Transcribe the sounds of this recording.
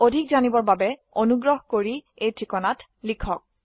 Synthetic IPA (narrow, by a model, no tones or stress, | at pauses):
odʱik̚zanibɔɹbabɛonuɡɹɔɦkoɹi | ejtʰɹikɔnat | likʰɔk̚